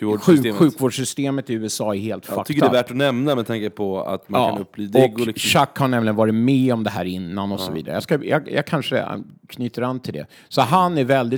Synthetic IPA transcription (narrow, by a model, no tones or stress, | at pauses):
ɧʉ̟ːɧʉ̟ːkvoːɖʂʏst̪eːmət̪ɪʉ̟ːɛsɑːɛɾheːlt̪fak̪ʰʏkːəɖɛvæːʈɔnɛmnamɛd̪t̪ʰaŋkəpʰɔa̰t̪makːʰanɵpːbliːd̪ɔɪkɡlɪɕakːhaɳɛmlɪənvɑːɾɪtmɛɔmd̪ɛɦæːɾɪnːanɔsɔvḭːd̪aɾə̰jɑskajɑ̰jɑ̰ːɡkʰanʂə̰kʰnyːt̪əɾanːt̪ʰɪld̪ɛ̰ | sɔɦanæɾvɛld̪ɪt